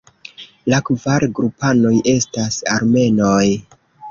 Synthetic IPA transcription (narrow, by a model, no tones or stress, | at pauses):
lakvaɾɡɾupano̞je̞stasa̰ɾme̞no̞j